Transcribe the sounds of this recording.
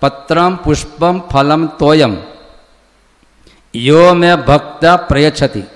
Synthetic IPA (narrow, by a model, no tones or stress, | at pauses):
pɐt̪ɾɐmpuʂpɐmpʰɐlɐmt̪oːjɐm | joːmebʱɐk̚t̪apɾɐjɐt͡ʃʰɐt̪ḭ